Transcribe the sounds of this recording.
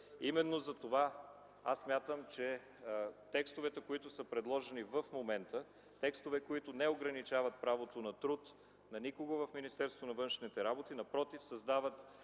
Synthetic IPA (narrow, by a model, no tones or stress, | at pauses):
imɛnːozɐt̪ova | asːmʲjat̪əmt͡ʃɛ | t̪ɛkst̪ovɛt̪ɛkoit̪ʊsəpɾɛd̪lˠɔʒɛnivəfmomɛnt̪ə | t̪ɛkst̪ovɛkoit̪ʊnɛoɡɾɐnit͡ʃavɐt̪̚pɾavot̪onɐt̪ɾut̪ | nɐnikoɡovɐfminist̪ɛɾst̪onɐvɤnʃnit̪ɛɾabot̪inɐpɾɔt̪ifsɐzd̪avət̪